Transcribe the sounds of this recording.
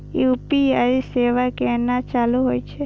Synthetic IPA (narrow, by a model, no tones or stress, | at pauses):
jupiaiseʋakeɛnat͡ʃaluɦojt͡ʃʰe